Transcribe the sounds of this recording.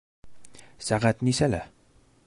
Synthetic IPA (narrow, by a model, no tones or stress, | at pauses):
sæʁæt̪nisælæ̰